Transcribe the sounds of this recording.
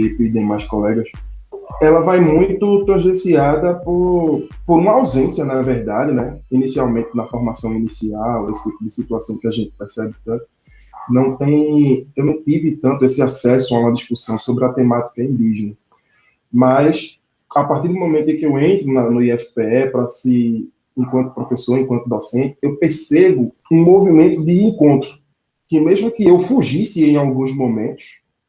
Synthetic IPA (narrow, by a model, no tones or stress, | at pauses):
epid̪ẽj̃majʃkolɛɡɐs | ɛlɐvajmũj̃t̪ʊt̪ɾõʒesiad̪ɐpoɾpoɾũmɐawzẽsiɐnɐvɛɾd̪ad͡ʒɪnɛinisiawmẽnt̪ɪnɐfoɾmasɐ̃w̃inisiawesɪ̥t̪ipʊd̪ɪsit̪uasɐ̃w̃kɪaʒẽnt̪ɪ̥pɛɾsɛbɪt̪ɐ̃t̪ʊ̥ | nɐ̃w̃t̪ẽj̃ewnɐ̃w̃t̪ivɪt̪ɐ̃nt̪ʊesɪasɛsʊaũmɐd̪iʃkusɐ̃w̃sobɾɪɐt̪emat̪i̥kɐĩnd̪iʒenɐ | mɐjs | apaɾt̪iɾd̪ʊmõmẽt̪ʊẽkɪewẽnt̪ɾʊnɐnʊiɛfi̥peɛpɾɐsɪ | ẽkwɐ̃nt̪ʊ̥pɾofesoɾẽkwɐ̃t̪ʊd̪osẽnt̪ɪewpeɾsebʊ | ũmovimẽnt̪ʊd̪ɪẽkõnt̪ɾʊ | kɪmeʒmʊkɪewfuʒisɪẽj̃awɡũzmõmẽnt̪ʊ̥s